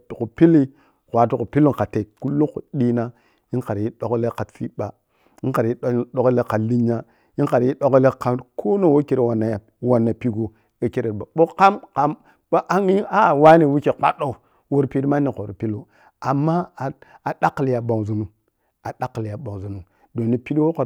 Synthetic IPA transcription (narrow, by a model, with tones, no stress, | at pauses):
tku˨pi˦li˦ | kʷa˨tu˨ku˨pi˦lːo˦ka˨te˨ku˦lːu˦ko̰˨ɗi˦na˦ | ji˦nka˨ɾi˦ɗo˨kle˦ka˨tfi˦ɓa˨ | i˦ka˨ɾji˦ɗo˨kle˦ka˨li˦ɲa˦ | ji˦nka˨ɾji˦ɗo˦kle˦ka˨kʰo˦no˦wo˦ke˨ɾe˨wa˨nːa˨ja˨ | wa˨nːa˨pi˦ɡo˨ | e˨ke˦ɾe˨ɾba˨ɓo˦ka˦mka˦m | ɓo˦ʔa˦ŋi˦a˦˨wa˦ni˨wi˦ke˨k͡pa̰˦ɗo˦˨ | wo˨ɾpi˦dma˦ni˨ko˨ɾi˨pi˦lo˨ | a˨mːa˦˨a˨ɗa˦klja˨ɓa˨ŋzu˨nu˨ | a˨ɗa˦kːja˨ɓo˨ŋ˨zu˨nu˨ | do˨ni˨pi˦dwo˦ka˨